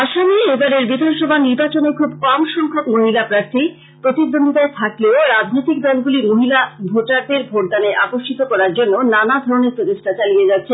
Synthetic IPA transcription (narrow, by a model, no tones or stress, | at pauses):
aʃamiebaɾeɾbid̪ʱanʃɔbʱaniɾbat͡ɕonekʰubkɔmʃɔŋkʰokmoɦilapɾaɾt̪ʰi | pɾot̪id̪ːond̪it̪aet̪ʰakleoɾad͡ʑʱnojt̪ik̚d̪ɔlɡulimoɦilabʱoʈaɾd̪eɾbʱoʈ̚d̪aneʔapoʃʈʰit̪okɔɾaɾd͡ʑonːonanad̪ʱɔɾoneɾpɾot̪eʃʈat͡ɕalied͡ʑat̪ːɕʰe